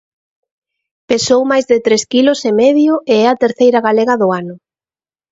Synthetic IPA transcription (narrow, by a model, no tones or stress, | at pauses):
pesowmajzðɪt̪ɾeskilʊsemɛðjʊeɛɐt̪eɾθejɾɐɣalɛɣɐðʊanʊ